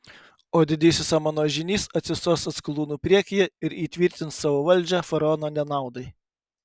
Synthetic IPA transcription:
oːd̪ʲɪd̪ʲɪːsʲɪsɐmɐnoːʒʲɪnʲiːsɐt̪ʲsʲɪsoːsɐt̪sklˠuːnuːpʲɾʲiɛkʲɪjɛɪɾiːt̪ʲʋʲiˑɾʲt̪ʲɪnsɑːʋoːʋɐlʲˑd͡ʒʲɛfɐɾɐɔːnoːnʲɛnɑˑʊd̪ɐɪ

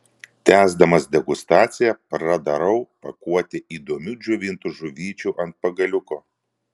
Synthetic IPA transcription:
t̪ʲæːzd̪ɐmɐsd̪ʲɛɡʊst̪ɑːt̪sʲɪjɛpɾɐd̪ɐɾɐʊpɐkuɔt̪ʲɪʔiːd̪oːmʲuːd͡ʒʊʋʲɪnt̪ʊʒʊʋʲiːt͡ʃʲuʔɐnt̪̚pɐɡɐlʲʊkoː

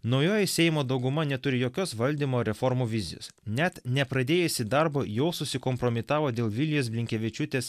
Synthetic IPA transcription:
nɒʊjoːjɛsʲɛjɪmoːd̪ɒʊɡʊmɐnʲɛt̪ʊɾʲɪjoːkʲoːsʋɐlʲd̪ʲimoːɾʲɛfɔɾmuːʋʲɪzʲɪ̰jo̰ːsnʲɛt̪nʲɛpɾɐd̪ʲeːjɛsʲɪd̪ɐɾboːjɛʊsʊsʲɪkɔmpɾɔmʲɪt̪ɑːʋoːd̪ʲeːlˠʋʲɪlʲjoːsbʲlʲɪŋʲkʲɛʋʲɛt͡ʃʲʊt̪ʲeːs

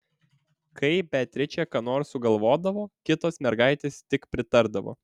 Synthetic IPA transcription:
kʰɐɪbʲɛt̪ʲɾʲɪt͡ʃʲɛkɐnoːɾsʊɡɐlˠʋoːd̪ɐʋoːkʲɪt̪oːsmʲɛɾɡɐɪt̪ʲeːst̪ʲɪkpʲɾʲɪt̪ɐɾd̪ɐʋo̰ː

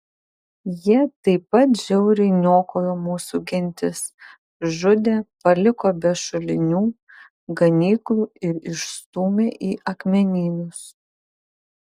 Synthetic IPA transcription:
jiɛt̪ɐɪpɐt̪ʒʲɛʊɾʲɪɪnʲoːkoːjoːmuːsuɡʲɪnʲt̪ʲɪs | ʒʊd̪ʲeːpɐlʲɪkoːbʲɛʃʊlʲɪnʲuː | ɡɐnʲiːklˠuːɪɾɪʃst̪uːmʲeːʔiːʔɐkmʲɛnʲiːnʲʊs

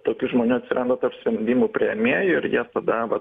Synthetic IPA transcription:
t̪oːkʲʊʒmoːnʲuɐt̪ʲsʲɪɾʔɐnd̪ot̪ɐrpsʲʋʲɛnʲd̪ʲiːmʊpʲɾʲiɛmʲiːjʊɪɾjiɛt̪ɐd̪ɐʋɐ

